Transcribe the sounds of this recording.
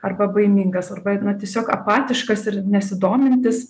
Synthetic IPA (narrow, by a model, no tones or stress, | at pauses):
ɐrbɐbɐɪmʲiːŋɡɐsɐrbɐnɐt̪ʲiɛsʲoːkɐpɑːt̪ʲɪʃkɐsɪɾnʲɛsʲɪd̪oːmʲɪnʲt̪ʲɪs